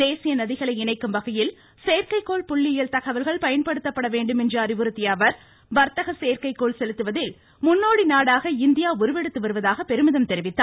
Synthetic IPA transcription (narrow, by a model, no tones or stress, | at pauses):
d̪eːsɪjɐnɐðɪɣɐɭɐɪɪɳɐɪkːɯmʋɐɣɐjɪl | seːɾkɐɪkːoːɭpʊɭːɪjɐlt̪ɐɣɐʋɐlɣɐɭpɐjɐnpɐɽɯt̪ːɐpːɐɽɐʋeːɳɖɯmɛndrɐɐɾɪʋɯɾɯt̪ːɪjɐːʋɐɾ | ʋɐɾt̪ɐɣɐseːɾkɐɪkːoːɭsɛlɯt̪ːɯʋɐðɪl | mʊnːoːɽinaːɽaːɣɐɪnd̪ɪjaːʊɾɯʋɛɽɯt̪ːɯʋɐɾɯʋɐðaːɣɐpɛɾɯmɯðɐmt̪ɛɾɪʋɪt̪ːaː